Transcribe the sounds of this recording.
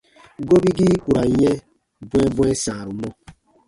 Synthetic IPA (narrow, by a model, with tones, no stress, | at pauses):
ɡo˦bi˦ɡi˦ku˨ɾa˨˦ɲɛ˦ | bwɛ˦bwɛ̃˦sã˨ɾu˨mɔ˦